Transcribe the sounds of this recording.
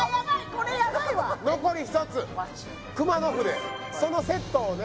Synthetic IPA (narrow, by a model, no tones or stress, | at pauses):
jabaikoɾejabaianoko̞ɾʲiçi̥t̪o̞t͡sɨ | kɯ̟mano̞ɸɯ̟d̪eso̞no̞se̞t̪ːoːne